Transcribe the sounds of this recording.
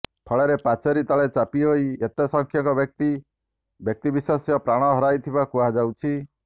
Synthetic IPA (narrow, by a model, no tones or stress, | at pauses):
pʰɔɭeɾepat͡ʃɔɾit̪aɭet͡ʃapiɦoiet̪esɔŋkʰjɔŋkɔbjɔk̚t̪i | bjɔk̚t̪ibiswasjɔpɾaɽ̃ɔɦɔɾajt̪ʰibakuad͡ʒawt͡ʃʰi